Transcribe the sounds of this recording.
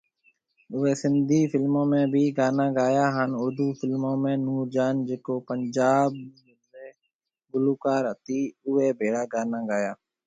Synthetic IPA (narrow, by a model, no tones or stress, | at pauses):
ʊʋeːsɪnd̪ʱiːfʰɪlmõːmẽːbʱiːɡaːnãːɡaːjaːɦənʊɾd̪uːpʰɪlmõːmẽːnuːɾd͡ʒaːnd͡ʒekoːpəɲd͡ʒaːb | eː | ɡʊluːkaːɾət̪iːʊʋeːbeːɽaːɡaːnaːɡaːjaː